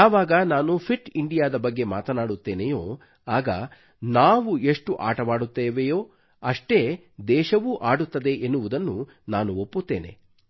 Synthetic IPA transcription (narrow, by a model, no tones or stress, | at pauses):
aːʋaːɡɐnaːnupʰiʈiɳɖijaːd̪ɐbɐɡːe̞ma̰ːt̪ɐnaːɽut̪ːeːnejoː | aːɡɐ | naːʋue̞ʂʈuʔa̰ːʈɐʋaːɽut̪ːeːʋejoː | ɐʂʈe̞ | d̪ɛːʃɐʋuʔaːɽut̪ːɐd̪e̞ʔenːuʋud̪ɐnːu | naːnuopːut̪ːḛːne̞̰